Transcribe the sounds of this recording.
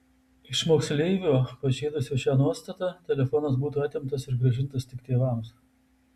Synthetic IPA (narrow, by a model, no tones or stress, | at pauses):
ɪʃmoːksʲlʲɛɪʋʲuːpɐʒʲeːd̪ʊsʲoːʃʲæːnuɔst̪ɐt̪ɑt̪ʲɛlʲɛfɔnɐsbuːt̪uːɐt̪ʲɪmt̪ɐsɪɾɡɾɐʒʲɪnt̪ɐst̪ʲɪkt̪ʲeːʋɑˑms